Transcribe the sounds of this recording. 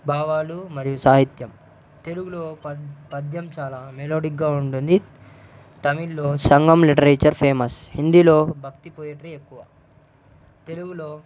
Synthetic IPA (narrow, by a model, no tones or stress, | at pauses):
bʱaːʋaːlumɐɾijusaːɦit̪jɐm | t̪e̞luɡuloːpɐd̪jɐmt͡ʃaːlaːmeloːɖikɡaːuɳʈund̪i | t̪ɐmilːo̞ːsɐŋɡɐmliʈɐɾeːt͡ʃɐɾpʰeːmɐshind̪ilo̞ːbʱɐkt̪ipoːjeʈɐɾiekːuʋɐ | t̪e̞luɡuloː